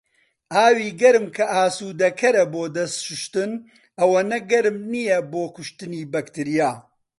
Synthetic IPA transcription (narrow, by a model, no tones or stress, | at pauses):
ʔaːwiːɡɐɾɨmkʰɐʔaːsuːd̪ɐkʰɐɾɐboːd̪ɐst̪ʃʊʃt̪ɨn | ɐwɐnɐɡɐɾɨmnijɛboːkʊʃt̪ɨniːbɐkt̪ɨɾijaː